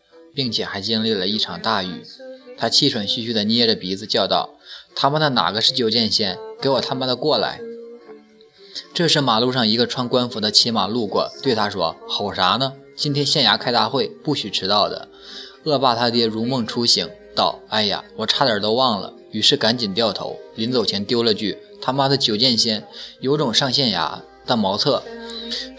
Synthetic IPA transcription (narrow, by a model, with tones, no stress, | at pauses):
pi˥˩ŋt͡ɕʰjɛ˨˩xa˧˥ɪt͡ɕi˥nli˥˩lə˩i˥˩ʈ͡ʂʰɑ˨˩ŋt̪a˥˧y̰˥˩˦t̪ʰa˥t͡ɕʰi˥˩ʂʰwə˨˩nɕy˥˧˩ɕy˥d̪ə˨ni˥jɛ˥˩ʈ͡ʂə˩pi˧˥d͡zɹ̩˧t͡ɕjɑ˥˧ʊt̪ɑ˥˩ʊt̪ʰa˥mə˨d̪ə˩na̰˨˩ɡə˦ʂɻ̩˥˩t͡ɕjo˥˧ʊt͡ɕjɛ˥˧nɕjɛ˥˩nke˧˥ɪwɔ˨˩t̪ʰa˥mə˨d̪ə˩kwɔ˥˩la̰˧˥ɪ | ʈ͡ʂɤ˥˧ʂɻ̩˥˩ma˨˩lu˥˧ʂɑ˥˩ŋi˧˥ɡə˧ʈ͡ʂʰwa˥ŋkwa˥nfu˧˥d̪ə˧t͡ɕʰi˧˥ma˨˩lu˥˩kwɔ̰˥˩t̪we˥˩ɪt̪ʰa˥ʂwɔ˥xɑ˨˩ʊʂa˧˥nə˧ | t͡ɕi˥nt̪ʰjɛ˥nɕjɛ˥˩nja˧˥kʰa˥ɪt̪a˥˧xwe˥˧ɪpu˥˩ɕy˨˩ʈ͡ʂʰɻ̩˧˥t̪ɑ˥˩ʊd̪ə̰˩ | ɤ˥˧pa˥˩t̪ʰa˥t̪jɛ˥ɻu˧˥mɤ˥˩ŋʈ͡ʂʰu˥ɕi˧˥ŋt̪ɑ˥˩ʊa˥˩ɪja̰˨˩wɔ˨˩ʈ͡ʂʰa˥˩d̪ə˞˨˩t̪o˥ʊwɑ˥˩ŋlə̰˩ | y˨˩ʂɻ̩˥˩ka˧˥nt͡ɕi˨˩nt̪jɑ˥˩ʊt̪ʰo̰˧˥ʊli˧˥nt͡so˨˩ʊt͡ɕʰjɛ˧˥nt̪jo˥ʊlə˧t͡ɕy˥˩ | t̪ʰa˥ma˥d̪ə˨t͡ɕjo˨˩ʊt͡ɕjɛ˥˧nɕjɛ˥˩njo˧˥ʊʈ͡ʂʊ˨˩ŋʂɑ˥˧ŋɕjɛ˥˩nja̰˧˥ | t̪ə˧˩mɑ˧˥ʊt͡sʰɤ˥˩